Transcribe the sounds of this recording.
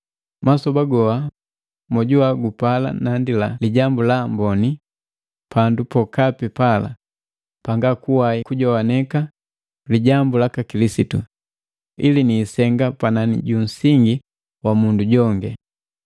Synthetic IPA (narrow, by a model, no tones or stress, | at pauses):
masɔbaɡɔa | mɔɟuaɡupala̰nandilaliɟambulambɔni | pʰandupɔkapipala̰ | paŋɡakuwaikuɟɔwanɛka | liɟambulakakilisitu | ḭliniːsɛŋɡapananḭɟun̩siŋɡi | wamunduɟɔŋɡɛ